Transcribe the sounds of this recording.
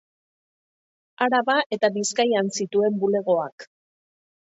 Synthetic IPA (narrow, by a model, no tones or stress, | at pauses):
aɾaβaʔe̞t̪aβiskajansit̪ue̞mbule̞ɣ̞o̞ak